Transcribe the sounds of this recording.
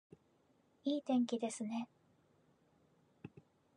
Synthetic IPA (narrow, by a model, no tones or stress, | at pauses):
iːt̪ẽ̞ŋkʲid̪e̞sɨne̞